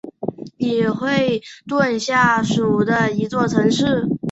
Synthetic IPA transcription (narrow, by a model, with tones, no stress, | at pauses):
nɛ˨˩xwe˥˧ɪt̪wa˥˧nɕja˥˩ʂu˨˩d̪ə˦i˧˥t͡swɔ˥˩t͡sʰɤ˧˥ŋʂɻ̩˥˩